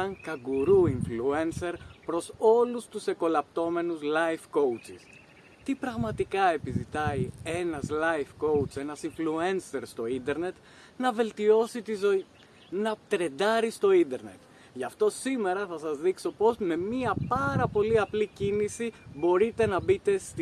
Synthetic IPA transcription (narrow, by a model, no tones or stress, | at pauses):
ɐŋkɐɡuɾuiɱflue̞nse̞ɾpɾo̞so̞lust̪use̞ko̞lɐpt̪o̞me̞nuzlɐjfko̞wt͡sis | t̪ipɾɐɣmɐt̪ikɐe̞pizit̪ɐje̞nɐzlɐjfko̞ut͡se̞nɐsiɱflue̞nse̞ɾst̪o̞ind̪e̞ɾne̞t̪ | nɐve̞lt̪io̞sit̪izo̞i | nɐt̪ɾe̞d̪ɐɾist̪o̞ind̪e̞ɾne̞t̪ | ʝɐft̪o̞sime̞ɾɐθɐsɐzðikso̞po̞zme̞miɐpɐɾɐpo̞liɐplicinisibo̞ɾit̪e̞nɐbit̪e̞st̪